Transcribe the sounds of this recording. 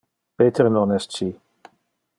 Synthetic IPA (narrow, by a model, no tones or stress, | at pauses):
peːt̪ʰəɾnɔnɛst͡ʃi